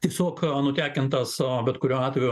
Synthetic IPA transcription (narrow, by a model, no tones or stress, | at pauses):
t̪ʲiɛsʲoːknʊt̪ʲæːkʲɪnt̪ɐsbʲɛt̪kʊɾʲuːɑːt̪ʲʋʲɛjʊ